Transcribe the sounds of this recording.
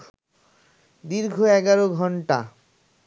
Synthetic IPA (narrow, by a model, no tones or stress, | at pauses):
d̪iɾɡʱoɛɡaɾoɡʱɔɳʈa